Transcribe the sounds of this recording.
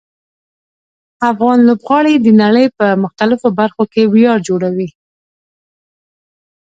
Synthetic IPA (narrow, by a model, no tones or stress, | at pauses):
afɣɑnlobɣɑɽed̪ənaɽəjpəmʊxt̪alɪfobaɾxokewjɑɾd͡ʒoɽawi